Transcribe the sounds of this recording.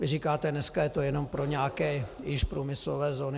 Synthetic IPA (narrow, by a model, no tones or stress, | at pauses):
vɪriːkaːt̪ɛnɛskajɛt̪ojɛno̞mpɾoɲaːkɛːjɪʃpɾuːmɪslovɛːzoːnɪ